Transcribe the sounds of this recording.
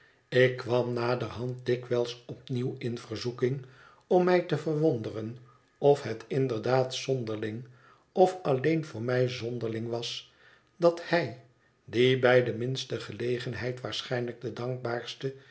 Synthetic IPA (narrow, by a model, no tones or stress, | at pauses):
ɪkːʋɑmnaːdərɦɑnt̚dɪkʋɛlˠsɔp̚niwɪnvərzukɪŋ | ɔmːɛjtəvərʋɔndərən | ɔfɦətɪndəɹdaːtsɔndəɹlɪŋ | ɔfɑlejnvʊːɹmɛjzɔndəʁlɪŋʋɑs | dɑthɛj | dibɛjdəmɪnstəχəlejχənɦɛjtʋaːɹsχɛjnləɡ̚dədɑŋk̚baːɹstə